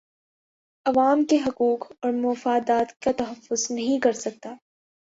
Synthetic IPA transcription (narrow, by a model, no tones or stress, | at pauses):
ɐʋaːmkeɦɐkuːkɔːɾmʊfaːd̪aːt̪kat̪ɐɦɐfːʊznɐɦĩkɐɾsɐk̚t̪aː